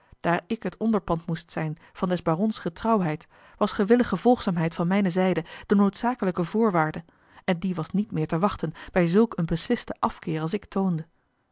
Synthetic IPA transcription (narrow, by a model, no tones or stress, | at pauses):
d̥aːɹɪkɦətɔndəɹpɑntmustsɛjn | v̥ɑndɛzbaːrɔnsχətrɑwɦɛjt | ʋɑsχəʋɪləχəv̥ɔlˠχsaːmɦɛjtfɑnmɛjnəzɛjdəd̥ənowtsaːkələkəvʊːɹʋaːɹdə | ɛndiʋɑsnitmɪːɹtəʋɑχtənb̥ɛjzɵlˠkənbəslɪstəʔɑfkɪːɹɑlˠs̬ɪktʰowndə